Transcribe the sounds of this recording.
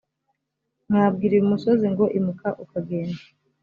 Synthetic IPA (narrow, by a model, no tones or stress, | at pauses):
ŋaːb̚ɡiːɾiumuso̞ziŋɡo̞ʔimukaʔukaɡe̞ːnda